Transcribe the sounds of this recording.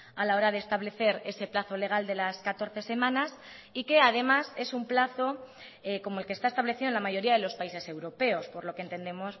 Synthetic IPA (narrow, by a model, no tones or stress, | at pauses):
alao̞ɾaðest̪aβle̞θe̞ɾe̞se̞plaθo̞le̞ɣ̞ald̪e̞laskat̪o̞ɾθe̞se̞mãnas | ike̞að̞e̞mase̞sumplaθo̞ | eko̞moe̞lkest̪aest̪aβle̞θiðonlamaʝo̞ɾiaðe̞lo̞spaise̞se̞wɾo̞pe̞o̞spo̞ɾlo̞kent̪e̞nd̪e̞mos